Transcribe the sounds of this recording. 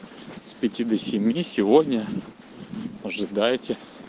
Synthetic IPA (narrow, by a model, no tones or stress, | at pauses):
spʲɪtʲid̪əsʲɪmʲjisʲɪvodʲnʲə | ɐʐɨd̪ajtʲɪ